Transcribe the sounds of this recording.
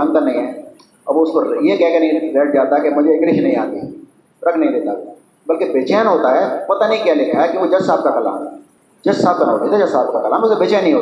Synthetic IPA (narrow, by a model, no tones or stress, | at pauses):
ə̃nk̪anɐɦĩɦɛ̃ː | ɐbʋoʊspəɾjekɛɦkenɐĩɾeːʈ̚ʰd͡ʒaːt̪aɦɛkemʊd͡ʒʱekɾɪʃnɐ̃ɦĩãːt̪i | ɾɐkʰnɐɦĩd̪eːt̪a | bɐlkebeːt͡ʃɛːnɦoːt̪aɦɛpɐt̪anɐɦĩkjalɪkʰaɦɛkiʋod͡ʒɐsaːb̚kakɐla̰ːmɛ | d͡ʒɐssaːb̚kana̰ːd̪eːt̪ʰed͡ʒɐsaːbkakɐlaːmʊsebeːt͡ʃɛːnːə̃ĩɦoː